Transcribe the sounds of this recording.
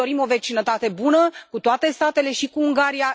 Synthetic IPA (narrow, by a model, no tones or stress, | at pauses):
oɾimo̞ve̞t͡ʃinət̪at̪e̞bunəkut̪oat̪e̞st̪at̪e̞le̞ʃikuuŋɡaɾija